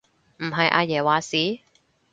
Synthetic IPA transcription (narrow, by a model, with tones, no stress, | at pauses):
m̩˨˩ɦɐ˨jʔa̰ː˧jɛː˨˩waː˨siː˨˥